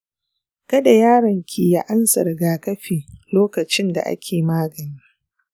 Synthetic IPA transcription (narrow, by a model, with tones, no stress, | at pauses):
kɐ˦da˨jaː˦ɾɐ˨ŋkʲʰiː˨ja˦ʔa˦nsɐ̰˨rɡaː˨kɐ˦ɸiː˨loː˦kɐ˨t͡ʃɪ˦nda̰˨ʔa̰˦kʲʰeː˨maː˦ɡɐ˨ni˦